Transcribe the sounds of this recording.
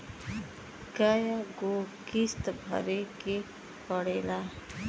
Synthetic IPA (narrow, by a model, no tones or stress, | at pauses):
ɡajaɡokist̪bʱə̰ɾeke | pəɽela